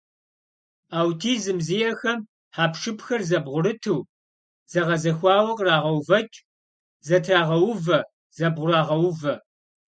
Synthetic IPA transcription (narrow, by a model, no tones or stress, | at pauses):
aːwtʰiːzɨmzijɛxɐm | ħaːpʰʂɨpxɐrzɐbʁʷʊɾɨtʰɨw | z̥ɐʁɐzɐxʷɑːwɐqʼraːʁɐwvɐt͡ʃʼ | zɐtʰraːʁɐwʊvɐ | z̥ɐbʁʷʊraːʁɐwʊvɐ